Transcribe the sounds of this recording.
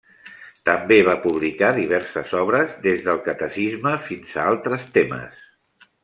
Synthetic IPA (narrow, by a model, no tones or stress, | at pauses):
t̪əmbeβ̞apuβ̞likaðiβɛɾsəzɔβ̞ɾəzðezðəlˠkət̪əsizməfinz̥aalˠt̪ɾəst̪emə̰s